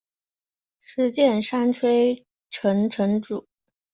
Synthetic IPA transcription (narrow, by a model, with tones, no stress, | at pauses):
ʂɻ̩˧˥t͡ɕjɛ˥˩nʂa˥nʈ͡ʂʰwe˥ɪ | ʈ͡ʂʰɤ˧˥ŋʈ͡ʂʰɤ˧˥ŋʈ͡ʂu˨˩˦